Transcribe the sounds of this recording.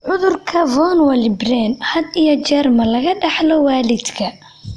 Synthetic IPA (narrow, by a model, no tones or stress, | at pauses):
ʕʊðʊrkʰɐvɔnwɐlɪbrɛnhɐd̪ijɔt͡ʃɛrmɐlɐɣɐɖɐħlɔwaːlɪd̪kʰɐ